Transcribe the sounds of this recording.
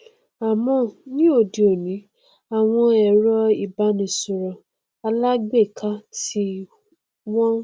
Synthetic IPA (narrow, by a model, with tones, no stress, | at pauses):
a˨mɔ̃˧˨nĩ˦o˨di˨o˨nĩ˨˦ | a˨w̃ɔ̃˧ɛ˨ɾɔ˧i˨ba˨˦nĩ˨su˨ɾɔ̃˨ | a˧la˦ɡ͡be˦˨kʰa˦si˦ | wɔ̃˦